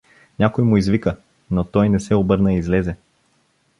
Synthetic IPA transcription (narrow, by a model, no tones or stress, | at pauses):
nʲakojmʊizvikə | not̪ɔjnɛsɛobɤɾnəiizlɛzɛ